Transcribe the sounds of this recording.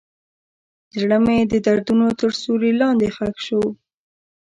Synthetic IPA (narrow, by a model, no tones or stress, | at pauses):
d͡ʒɽəmed̪əd̪aɾd̪unot̪əɾsoɾilɑnd̪exakʃəw